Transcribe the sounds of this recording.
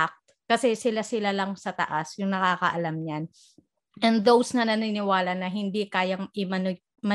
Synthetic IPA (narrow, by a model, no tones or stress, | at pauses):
ak̚t̪ | kɐsɛsɪlasɪlalɐŋsɐt̪ɐ̰ʔasjʊŋnɐkaːkɐʔɐlamɲan | ʔɛnd̪owsnɐnɐnɪnɪwaːlɐnɐɦɪnd̪ikaːjɐŋʔɪmɐn | mɐ